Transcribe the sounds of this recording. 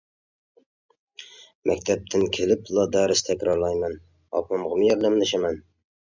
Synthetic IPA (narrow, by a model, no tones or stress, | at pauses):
mɛ̰kʲt̪ʰɛp̚t̪ʰɪnkʲʰelɪplˠɑd̪æɾɪst̪ʰɛkʲɾɑɾlˠɑjmɛn | ɑ̰pɑmʁəmɨjɛɾd̪æmd̪ɪʃɪmɛn